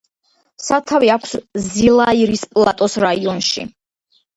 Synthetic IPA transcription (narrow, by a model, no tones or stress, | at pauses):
sat̪ʰaviakʷʰszilˠaiɾispʼlˠat̪ʼɔsɾaiɔnʃḭ